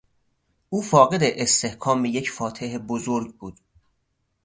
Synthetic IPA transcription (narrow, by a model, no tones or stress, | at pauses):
ʔuːfɒːɣe̞d̪eʔest̪e̞hkʰɒːmejecʰfɒːt̪ʰeɦebozoɾɟbuːd̪̥